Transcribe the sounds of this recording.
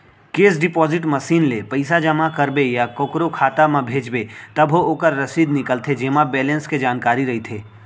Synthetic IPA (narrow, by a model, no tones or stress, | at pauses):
keːs̬ɖɪpɔːzɪʈməsiːnlepɐɪsad͡ʒəmakəɾbejakokɾokʰaːt̪amãbʱeːd͡ʒbet̪ɐbʱooːkəɾːɐsiːd̪nɪkəlt̪ʰed͡ʒeːmabɛːlə̃nsked͡ʒaːnkaːɾiɾɐɦit̪ʰeː